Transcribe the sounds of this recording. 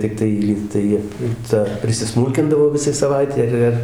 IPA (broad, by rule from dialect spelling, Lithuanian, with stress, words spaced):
tʲɪkˈtɐɪ ˈlʲiːktɐɪ ˈtɐ pʲrʲɪsʲɪˈsmuːlʲkʲɪndɐʋoː ˈʋʲɪsɐɪ sɐˈʋɐɪtʲɛɪ ɪr ˈɪr